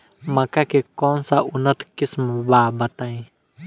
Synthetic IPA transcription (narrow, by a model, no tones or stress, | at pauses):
makakɛkɔnsaʔunat̪kisməbabat̪aj